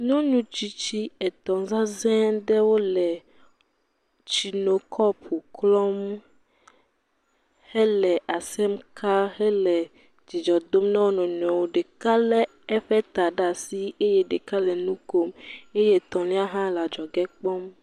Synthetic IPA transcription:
ɲɔ̃˦ɲũ˦t͡ʃi˦t͡ʃi˦ɛ˨t̪ɔ̃˨za˦zɛ̃˦ɖɛ˦wo˦lɛ˨ | t͡ʃi˨no˨kʰɔ˦pʰo˨klɔ˦m | hɛ˦lɛ˨ʔa˨sɛ˦mkʰa˦ɦɛ˦lɛ˨ | d͡ʒi˨d͡ʒɔ˨d̪o˦mnã˦wo˦nɔ̃˨ɲɔ̃˨wo˨ɖe˨ka˦lɛ˦ | ɛ˦ɸɛ˦t̪a˨ɖa˨si˦e˦je˦ɖe˨ka˦lɛ˨nũ˦ko˦me˦je˦t̪ɔ̃˨lĩ˦a˦ɦã˦la˨d͡ʒɔ˨ɡɛ˦k͡pɔ˦m

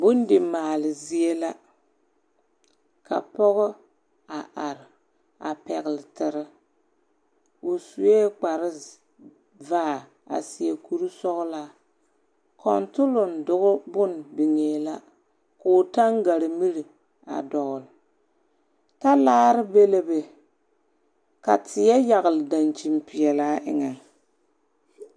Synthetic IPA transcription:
bʊ˦n˦dɪ˨maː˨lɪ˨zi˦e˦la˦ | ka̰˨pɔ˦ɣɔ˦ | a˨ʔa˨ɾɪ˨ | a̰˨pɛ˨ɣɪ˨lɪ˨tɪ˨ɾɪ˦ | ʊ˨su˨e˦k͡pa˨ɾɪ˦ | vaː˦˨ | a̰˨sɪ˨e˨ku˦ɾu˦sɔ˦ɣla˦ | kʰɔ̰˨ntʊ˦lʊ˨n˨dʊ˨ɣʊ˦bʊ˦n˨bi˨ŋeː˨la˦ | kʊː˨ta˦ŋɡa˨ɾɪ˨mi˦ɾi˨ | a̰˨dɔ˨ɣʊ˨l | ta˦laː˦ɾɨ˦be˦le˦be˨ | ka̰˨tʰɪ˨jɛ˦ja˨ɣɨ˨lda˨nt͡ʃi˨mpɪ˨ɛ˨la˦ʔɪ˦ŋa˨

